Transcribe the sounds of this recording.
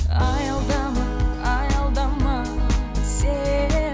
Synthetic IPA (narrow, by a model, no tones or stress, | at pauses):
ɑjɑlˠd̪ɑmɑɑjɑlˠd̪ɑmɑ | se